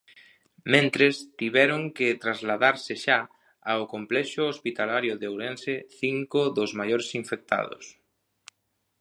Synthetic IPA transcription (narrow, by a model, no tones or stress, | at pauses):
mẽnt̪ɾest̪iβɛɾoŋkɪt̪ɾazlaðaɾsɪʃa | aokomplɛʃʊospit̪alaɾjʊðeowɾẽnseθiŋkʊðozmajoɾesiɱfek̚t̪a̰ðo̰s